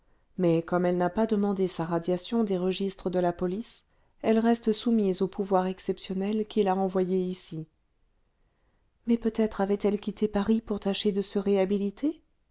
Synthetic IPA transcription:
mɛkɔmɛlnapad̪əmɑ̃d̪esaʁad̪jasjɔ̃d̪eʁəʒist̪χəd̪əlapɔlis | ɛlʁɛst̪əsumizopuvwaʁɛksɛpsjɔnɛlkʲilaɑ̃vwajeisi | mɛpøt̪ɛt̪χavɛt̪ɛlkʲit̪ʰepaʁipuʁt̪aʃed̪əsəʁeabilit̪e

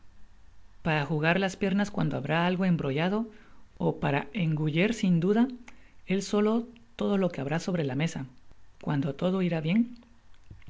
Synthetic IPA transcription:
paɾaxuɣ̞aɾlaspje̞ɾnaskwa̰nd̪oaβɾaalɣo̞e̞mbɾo̞ʝað̞o̞opaɾae̞ŋɡuʝe̞ɾsind̪uðae̞lso̞lo̞ | t̪o̞ð̞o̞lo̞keaβɾaso̞βɾe̞lame̞sakwand̪ot̪o̞ð̞o̞iɾaβje̞ŋ

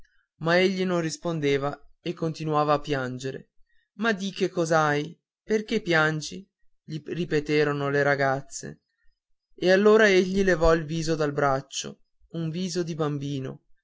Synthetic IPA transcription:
maeʎːinonrispond̪eːvaekːont̪inuaːvaːpːjand͡ʒeɾḛ | mad̪ikekːɔzaj | perkepːjand͡ʒi | ʎiripet̪eːɾonoleɾaɡat̪sːḛ | ealːoːɾaeʎːilevɔilviːzod̪albɾat͡ʃːo̰ | uɱviːzod̪ibambiːno̰

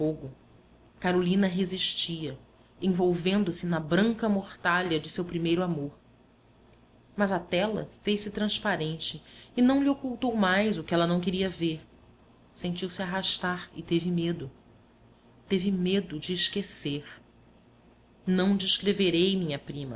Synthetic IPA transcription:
oɡʊ | kaɾolĩnɐɦeziʃt͡ʃiɐ | ẽvowvẽnd̪ʊsɪnɐbɾɐ̃ŋkɐmoɾt̪aʎɐd͡ʒɪsewpɾimejɾʊamoɾ | mɐzat̪ɛlɐ̰fejsɪt̪ɾɐ̃spaɾẽnt͡ʃɪːnɐ̃w̃liokuwt̪owmajzʊkɪɛlɐnɐ̃w̃kɪɾiɐveɾ | sẽnt͡ʃiwsɪaɦaʃt̪aɾɪ̰t̪evɪmed̪ʊ | t̪evɪmed̪ʊd͡ʒɪːʃkeseɾ | nɐ̃w̃d͡ʒɪʃkɾeveɾejmĩɲɐpɾĩmɐ̰

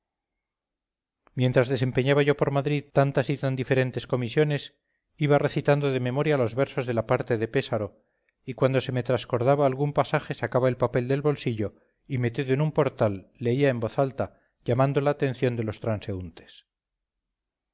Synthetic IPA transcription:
mje̞nt̪ɾazðe̞se̞mpe̞ɲaβaʝo̞po̞ɾmaðɾiðt̪ant̪asit̪and̪ife̞ɾe̞nt̪e̞sko̞misjo̞ne̞s | iβare̞θit̪and̪o̞ðe̞me̞mo̞ɾjalo̞zβe̞ɾso̞zðe̞lapaɾt̪e̞ðe̞pe̞saɾo̞ | ikwand̪o̞se̞me̞t̪ɾasko̞ɾðaβaːlɣumpasaxe̞sakaβae̞lpape̞ld̪e̞lβo̞lsiʎo̞ | ime̞t̪iðoenumpo̞ɾt̪alːeiaembo̞θalt̪a | ʝamãnd̪o̞laːt̪e̞n̟θjo̞nd̪e̞lo̞st̪ɾanse̞unt̪e̞̥s

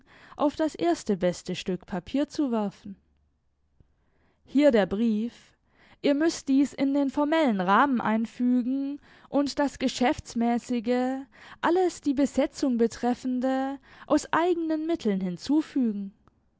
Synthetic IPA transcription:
ʔaʊfd̥asʔeːɐstəbɛstəʃtʏkpʰapʰiːɐt͡suvɛɐfn̩ | hiːɐdeːɐbʁiːf | ʔiːɐmʏst̚d̥iːsɪndeːnfɔɐmɛlənʁaːmənʔa̰ɪnfyːɡŋ̩ | ʔʊntd̥asɡ̥əʃɛft͡smɛːsɪɡəʔaləsd̥iːbəzɛt͡sʊŋbətʁ̥ɛfn̩dəʔaʊsʔaɪɡənənmɪtʰl̩nhɪnt͡suːfyːɡŋ̩

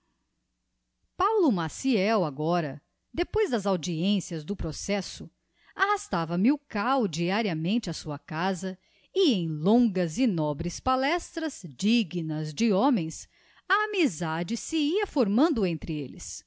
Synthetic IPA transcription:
pawlʊmasiɛwaɡɔɾɐ | d̪epojzd̪ɐzawd͡ʒiẽsiɐzd̪ʊpɾosɛsʊ | ahast̪avɐmiwkawd͡ʒiaɾiɐmẽnt͡ʃɪɐsuɐkazɐ | iẽj̃lõŋɡɐzɪnɔbɾɪspalɛst̪ɾɐz̥d͡ʒiɡnɐzd͡ʒɪõmẽj̃s | ɐːmizad͡ʒɪsɪiɐfoɾmɐ̃nd̪ʊẽnt̪ɾɪḛlɪ̰s

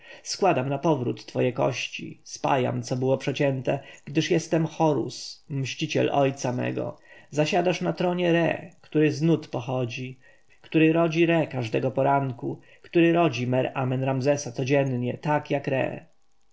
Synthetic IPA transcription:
skwad̪amnapɔvɾṵt̪ːfɔjɛkɔ̰ɕt͡ɕḭspa̰ja̰mt̪sɔbɘwɔpʂɛt͡ɕɛnt̪ɛɡ̥d̪ɘʂjɛst̪ɛmxɔɾṵsmɕt͡ɕit͡ɕɛ̰lʔɔjt̪samɛ̰ɡɔ̰zaɕad̪aʂnat̪ɾɔɲɛɾɛ̰kt̪uɾɘznut̪pɔxɔd͡ʑi | kt̪uɾɘɾɔd͡ʑiɾɛkaʐd̪ɛɡɔpɔɾaŋku | kt̪uɾɘɾɔd͡ʑimɛɾamɛnɾamzɛsat̪sɔd͡ʑɛnɲɛt̪akjakɾɛ̰

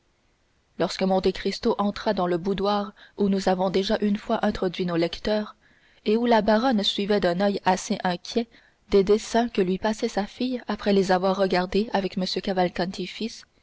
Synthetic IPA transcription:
lɔʁskəmɔ̃t̪ekχist̪oʔɑ̃t̪χad̪ɑ̃ləbud̪waːʁunuzavɔ̃d̪eʒaʔynfwaʔɛ̃t̪χɔd̪ɥinolɛkt̪œːʁ | eulabaʁɔnsɥivɛd̪ɛ̃nœjaseʔɛ̃kʲʰjɛ | d̪̥ed̪esɛ̃kəlɥipasɛsafijapχɛlezavwaʁːəɡʲaʁd̪eavɛkməsjøkavalkɑ̃nt̪ʰifis

